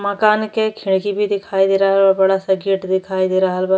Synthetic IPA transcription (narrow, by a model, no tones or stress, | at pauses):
mɐkaːnkekʰɪɽkibʱid̪ɪkʰaːid̪eːɾaɦəlabɐɽasɐɡiːʈd̪ɪkʰaːid̪eːɾaɦəlba